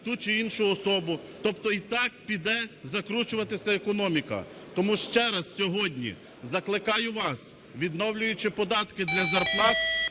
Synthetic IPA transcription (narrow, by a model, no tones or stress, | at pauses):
t̪ut͡ʃɪinʃʊɔsɔbʊ | t̪ɔpt̪ɔit̪ɑk̚pʲid̪ɛzɐkɾut͡ʃʊʋɐt̪ɪsʲɐekɔnɔmʲikɐ̰ | t̪ɔmuʃt͡ʃɛɾɐssʲɔɦɔdʲnʲḭ | zɐklˠɪkɑjʊʋɑs | ʋʲid̪nɔwlʲʊjʊt͡ʃɪpɔd̪ɑt̪kɪd̪lʲɐzɐrpnˠɑt